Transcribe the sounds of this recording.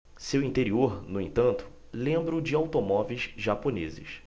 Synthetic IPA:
sewĩnt̪eɾioɾnʊẽnt̪ɐ̃nt̪ʊ̥lẽmbɾʊd͡ʒɪawt̪omɔvejzʒaponezɪ̰s

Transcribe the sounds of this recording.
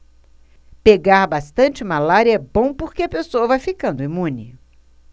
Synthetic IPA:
peɡaɾbast̪ɐ̃nt͡ʃɪmalaɾiɐɛbõw̃poɾkeɐpesoɐvajfikɐ̃nd̪ʊimũnɪ

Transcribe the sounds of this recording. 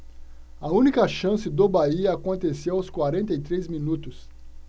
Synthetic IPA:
ɐũnikɐʃɐ̃sɪd̪obaiɐakõnt̪esewawskwaɾẽnt̪ɐjt̪ɾejzminut̪ʊs

